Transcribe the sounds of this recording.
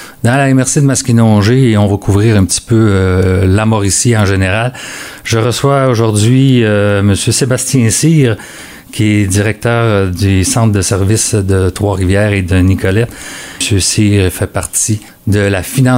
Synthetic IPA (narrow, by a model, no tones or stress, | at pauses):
d̪ɑ̃laemɛʁsid̪əmaskʲinɔ̃ʒeːɔ̃vakʰuvʁiːʁɛ̃pət̪i̥pøəlamɔʁisiɑ̃ʒeneʁal | ʒəʁəswaoʒʊʁd͡z̪zɥiməsjøsebast̪jɛ̃siːʁ | kʲʰiɛd̪iʁɛk̚t̪œːʁd̪ysɑ̃t̪d̪əsɛʁvɪsd̪ət̪ʁwaʁivjɛːʁed̪ənikʰɔlɛt̪sjøsiːʁfɛpaʁt̪i | d̪əlafinɑ̃